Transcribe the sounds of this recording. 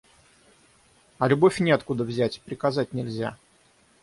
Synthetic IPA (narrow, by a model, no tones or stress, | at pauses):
ɐlʲʊbo̞fʲnʲɪɐt̪kud̪əvzʲætʲpɾʲɪkɐzat̚ʲnʲɪlʲzʲa̰